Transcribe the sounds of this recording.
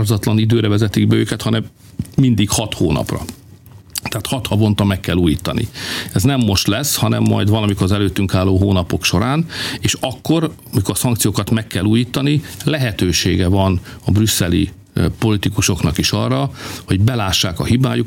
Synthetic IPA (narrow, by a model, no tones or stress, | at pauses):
rzɒt̪lɒnid̪øːɾɛvɛzɛt̪iɡbɛøːkɛt̪hɒnɛmː | ind̪ikhɒt̪hoːnɒ̰prɒ̰ | t̪ɛaːt̪hɒt̪hɒvo̞nt̪ɒmɛkːɛlːuːjiːt̪ɒnḭɛznɛmːo̞ʃt̪lɛshɒnɛ̰mːɒ̰jd̪vɒlɒmikoɾzɛløːt̪ːyŋkaːlːoːɦoːnɒpo̞kʃo̞ɾaːneːʃɒkːo̞ɾ | ɒmikoɾsɒŋkt̪sijoːkɒt̪mɛkːɛlːuːjiːt̪ɒnilɛɦɛt̪øːʃḛːɡɛvɒnɒbrysːɛlḭ | po̞lit̪ikuʃoknɒkiʃɒrːɒho̞ɟbɛlaːʃːaːkɒhiba̰ːjuk